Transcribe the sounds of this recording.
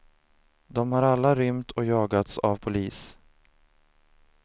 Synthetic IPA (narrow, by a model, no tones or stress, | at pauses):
d̪ɔmhaɾalːaɾʏmt̪ʰɔjɑːɡat̪sa̰vpʰʊliːs